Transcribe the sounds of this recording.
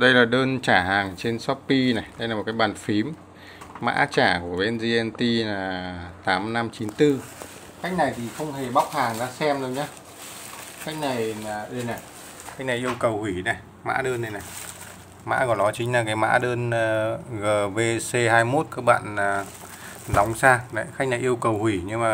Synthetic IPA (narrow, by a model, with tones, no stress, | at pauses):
ɗə˧jlaː˨˩ɗəː˧nt͡ɕaː˧˩ɦaː˨˩ŋt͡ɕe˧nsɔ˦˥ppi˧na˨˩jɗə˧jlaː˨˩m̚˨˩kaː˨˦jɓaː˨˩nfi˨˦mː | a̰ː˧˥t͡ɕaː˧˩ku˧˩əɓe˧nzi˧ʔɛ˧nt̪i˧naː˨˩t̪aː˨˦mna˧mt͡ɕi˨˦nt̪ɨ˧ | ka˦˥jk̚na˨˩jt̪ʰi˨˩xə˧wŋ͡mhe˨˩ɓa˦˥wk͡p̚haː˨˩ŋzaː˧sɛ˧mɗə˨˦ɲaː˨˦ | ka˦˥jk̚na˨˩jnaː˨˩ɗə˧˩jna˨˩j | xa˦˥k̟̚na˨˩jʔi˧əwkə˨˩whwi˧˩na˨˩j | ma̰ː˧˥ɗəː˧nɗə˨˩jna˨˩j | ma̰ː˧˥kɔ˧˩nɔ˨˦t͡ɕï˨˦ŋ̟laː˨˩kaː˨˦jma̰ː˧˥ɗəː˧n˨ɣəː˨˩ve˧se˧haː˧jmo˦˥t̚kaː˦˥k̚ɓa̰ː˧˨naː˨˩ | zɔ˨˦wŋ͡msaː˧na̰˨˦xa˦˥k̚na˨˩jʔi˧əwkə˨˩whwi˧˩ɲɨ˧ŋmaː˨˩